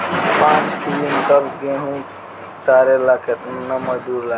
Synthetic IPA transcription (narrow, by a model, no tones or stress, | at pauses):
pãːt͡ʃkʰilinkəbɡẽɦũ | t̪aɾelaket̪nəməd̪uɾla